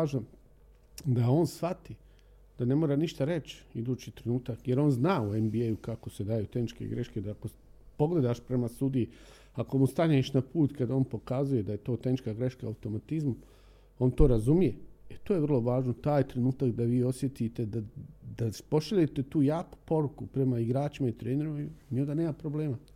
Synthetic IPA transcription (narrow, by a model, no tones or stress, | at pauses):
ʒa | d̪ao̞ːnsʋat̪i | d̪̥ane̞moːɾaniʃt̪aɾe̞t͡ʃid̪uːt͡ɕit̪ɾenuːt̪akje̞ɾo̞nznaːuembiejukakose̞d̪ajut̪e̞hnit͡ʃkḛɡɾe̞ʃked̪aako | po̞ɡle̞d̪aʃpɾe̞mast̪ud̪iji | ako̞must̪aɲeʃnapuːt̪kad̪ao̞ːnpo̞kazuje̞d̪ajet̪o̞ːt̪e̞hnit͡ʃkaɡɾeʃkaawt̪o̞mat̪izmu | o̞ːnt̪oːɾazumije̞et̪ojeʋər̩lˠo̞ʋaːʒnot̪aːjt̪ɾe̞nuːt̪akd̪aʋiːo̞sje̞t̪it̪e̞d̪ad̪apo̞ʃaʎet̪e̞t̪uːjaːku̥po̞ɾukupɾe̞maiɡɾaːt͡ʃimait̪ɾeːneɾimaniond̪aneːmapɾobleːma